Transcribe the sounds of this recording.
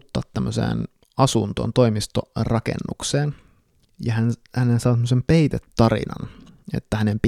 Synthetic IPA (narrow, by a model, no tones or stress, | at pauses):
t̪ːɑːt̪tːæmːøsḛːn | ɑsunt̪o̰ːnt̪o̞imist̪orɑkḛnːukseːn | jɑhænhænensɑːt̪æmːøsempeit̪et̪ːɑrḭnɑ̰nḛt̪ːæhænemp